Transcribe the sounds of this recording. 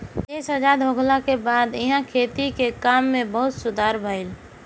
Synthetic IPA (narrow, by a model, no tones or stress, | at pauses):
eːsəd͡ʒad̪ʱɦoɡlakebaːd̪ɪɦãkʰeːt̪ikekamːẽbəɦʊt̪sʊd̪ʱaːɾbʱəɪl